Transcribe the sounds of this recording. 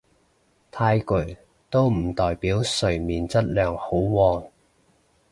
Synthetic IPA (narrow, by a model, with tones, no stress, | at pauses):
t̪ʰaː˧jkɵ˨˩ | t̪o˥wm̩˨˩t̪ɔː˨˩jpiː˨˥wsɵ˨˩ɥmiː˨nt͡sɐ˥t̚lœː˨ŋho˨˥wwɔː˧n